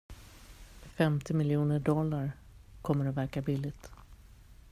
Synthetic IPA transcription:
fɛmt̪ɪmɪljuːnəɖɔlːaɾ | kʰɔmːəɾɔvæɾkabɪlːɪt̪

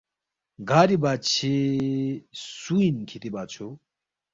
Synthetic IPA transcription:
ɡʱaːɾibaːt͡ɕʰe | suinkʰit̪ibaːt͡ɕʰo

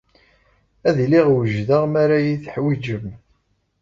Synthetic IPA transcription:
æðliʁwəʒðaʁmaɾajiθħwid͡ʒəm

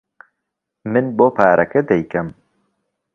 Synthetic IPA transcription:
mɨnboːpʰaːɾɐkɐd̪ɛjkɐm

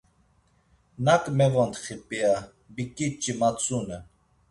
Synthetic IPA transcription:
nakʼmɛvɔnt̪χipʼia | bikʼit͡ʃʼːimat͡sʼunɛ

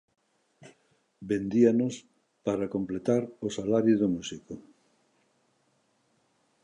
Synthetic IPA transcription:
bend̪ianos | paɾakomplet̪aɾosalaɾjʊðomusiko

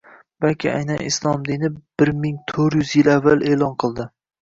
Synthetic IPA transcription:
b̥alkʲɪa̰jnanɪ̰slˠɒmd̪inɪb̥ɪɾmɪŋt̪ʰɵɾjʏzjɪlavːale̞ːlˠɒnqʰɨlˠd̪ɪ

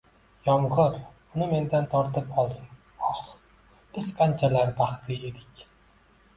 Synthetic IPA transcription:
jɒmʁɨɾ | ʊnɪme̞nd̪ant̪ʰɒɾt̪ʰɪpɒlˠd̪ɪm | ɒχ | b̥ɪzqʰant͡ʃʰalaɾb̪aχt̪ʰɪe̞d̪ɪkʲ

